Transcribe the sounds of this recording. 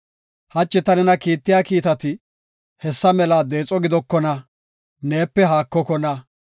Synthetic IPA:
hɐt͡ʃʼːɪt̪ɐnɛnɐkiːt̪ːɪjaːkiːt̪ɐt̪ɪ | hɛsːɐmɛlaːd̪e̞ːt͡sʼɔɡɪd̪ɔkːɔnɐ | ne̞ːpːɛɦaːkːɔkɔnɐ

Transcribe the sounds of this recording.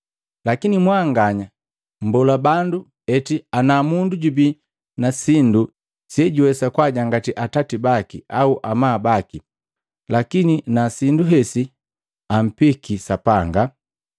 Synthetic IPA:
lakinimwaŋɡaɲa | m̩bɔlabandu | ɛtianamunduɟubi | nasindu | siɛɟuwɛsakwaɟaŋɡatiʔatatibakiauʔamaːbaki | lakininasinduɦɛsi | am̩pikisapaŋɡa

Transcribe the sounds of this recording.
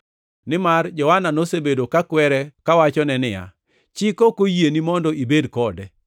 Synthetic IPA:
nɪmard͡ʒɔhananosebedokakwɛɾɛkawat͡ʃɔnɛnɪja̰ | t͡ʃɪkokojenimɔndɔibedkɔdɛ

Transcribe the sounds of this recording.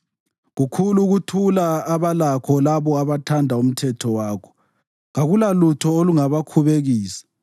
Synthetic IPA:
ɣukʰuluɣutʰulaːβalakʰɔlaβɔaβatʰandʱaum̩tʰɛtʰɔwaːkʰɔ̥ | ɣaɣulalutʰɔoluŋaβakʰuβeɣiːsḁ

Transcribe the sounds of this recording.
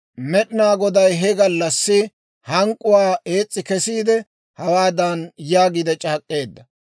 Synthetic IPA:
mɛɗɪnaːɡɔd̪ɐjɦɛɡɐlːɐsːɪ | hɐŋkʼːʊwaːe̞ːt͡sʼːɪkɛsiːd̪ɛ | hɐwaːd̪ɐnjaːɡid̪ɛt͡ʃʼaːkʼːe̞ːd̪ːɐ

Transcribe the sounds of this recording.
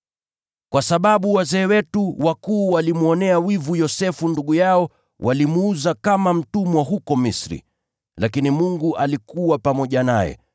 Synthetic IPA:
kwasaɓaɓuwazɛːwɛtuwakuːwalimuɔnɛawivujɔsɛfunduɠujaɔ | wʔalimuuzakamam̩tumwaɦukɔmisɾḭ | lakinimuŋɡuʔalikuwapamɔʄanajɛ̰

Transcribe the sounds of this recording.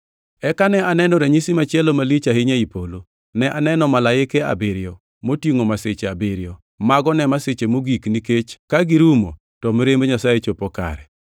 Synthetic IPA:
ɛkanɛʔanɛnɔɾɛɲisimat͡ʃɪɛlɔmalit͡ʃaɦɪɲaipolo | nɛʔanɛnɔmalaɪkea̰bɪɾjɔ | motjiŋomaset͡ʃeabɪɾɪjɔ | maɡɔnɛmaset͡ʃemoɡikniket͡ʃkaɡiɾumo̰ | tɔmeɾemboɲasajet͡ʃopɔka̰ɾɛ

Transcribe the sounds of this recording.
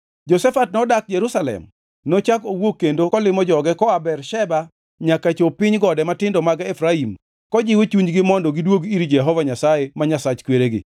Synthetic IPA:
d͡ʒɔsɛfat̚nɔdak̚d͡ʒɛɾusalɛ̰m | not͡ʃakowokːendokɔlɪmɔd͡ʒɔɡɛkɔabɛrʃɛba | ɲakat͡ʃopɪɲɡɔdɛmatɪndɔmaɡaefɾaim | kɔd͡ʒɪwet͡ʃuɲd͡ʒɡɪmɔndɔɡɪdwoɡiɾid͡ʒɛɦɔvaɲasajemaɲasat͡ʃkweɾeɡɪ̰

